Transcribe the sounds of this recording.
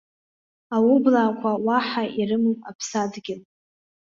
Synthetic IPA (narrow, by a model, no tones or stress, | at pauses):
awʊblaːkʷʰawaħaʔirɨmɨma̰pʰsadɡʲɪn